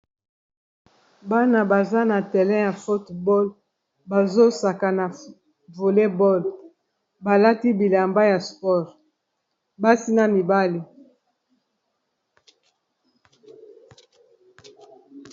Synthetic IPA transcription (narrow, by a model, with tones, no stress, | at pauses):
ba˦na˨ba˨za˦na˨tɛ˨lɛ̃˦ja˨fo˦tbɔ˦l | ba˨zo˦sa˨ka˨na˨ | vo˨le˦bɔ˦l | ba˨la˦ti˦bi˨la˨mba˦ja˨spɔ˦ʁ | ba˦si˦na˦˨mi˨ba˦li˨